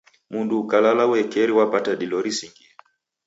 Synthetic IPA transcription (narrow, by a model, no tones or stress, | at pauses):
munduːkalalawɛkɛɾiwapataɗilɔɾisiŋɡiɾa